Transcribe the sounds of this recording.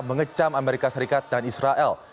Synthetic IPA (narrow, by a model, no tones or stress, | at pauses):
məŋət͡ʃamameɾikasəɾikat̪̚danisɾaʔɛl